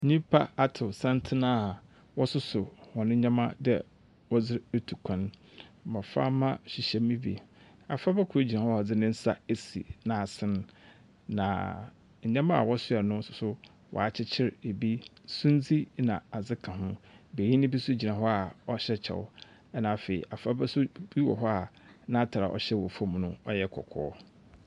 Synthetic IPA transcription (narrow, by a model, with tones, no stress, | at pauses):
ɲĩ˦pʰa̰˦a˨tʰɪ˨sã˦ntʰɪ˦nã˦˨ | wɔ˦sʊ˦sʊ˨hɔ˨nʊ̃˦ɲã˦mã̰˦dɛ̰˦ | wɔ˦d͡zɪ˦ɾe˦tʰu˨kʰã˨nmã˨fa̰˦mã˦ɕi˨ɕɛ˨mĩ˦bḭ˨ | a˨fa˦bɛ˦kʰʊ˨e˦d͡ʑi˨nã˨hɔ˦˨ɔ˨d͡zɪ˦nɪ̃˦n̩˦sa̰˦e˨sḭ˨nã˨a˨sɪ̃˦n | nã̰˨ | ɲ̩˨ɲɛ̃˦mã˦a̰˨wɔ˦sʊ˦ɛ˨nʊ̃˦n̩˦sʊ˨sʊ˦ | wɔ̰˨a˨t͡ɕʰɪ˦t͡ɕʰɪ˦ɾe˨bi˦sũ˦n˦d͡zi˦nã˨a˨d͡zɪ˦kʰã˨ɦʊ̃˦be˨ɲĩ˦nɪ̃˦bi˦sʊ˦d͡ʑi˨nã˨ɦɔ˦a˨ɔ˦ɕɛ˦t͡ɕʰɛ̰˨w̰ | ɛ˦nã˨fe˨ḭ˨ʔa˨fa˦bɛ˦sʊ˦bi˦wɔ̰˨ɦɔ˦a˨ | nã˦tʰa˨ɾa̰˨ʔɔ̰˨ɕɛ˦wɔ˨fɔ̃˦˨m˨nʊ̃˦ɔ˦jɛ˦kʰɔ̰˨kʰɔ̰ː˦